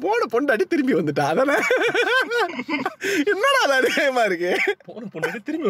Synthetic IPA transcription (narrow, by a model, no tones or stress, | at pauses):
poːnɐpɔɳɖɐːɽit̪ɪɾɯmbiʋɐnd̪ɯʈ̬ːãːɐðɐːnɐ | ɪnːoːnaːɐðãːɐðɪkɐjɐmaːɪɾɯk̬ːɯpoːnɐpɔɳɖɐːɽit̪ɪɾɯmbi